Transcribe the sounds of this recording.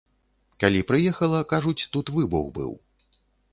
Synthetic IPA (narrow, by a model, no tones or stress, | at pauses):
kalʲipɾɨjɛxɐlˠɐkaʐut͡sʲt̪ut̪vɨbṵɣbɨ̰w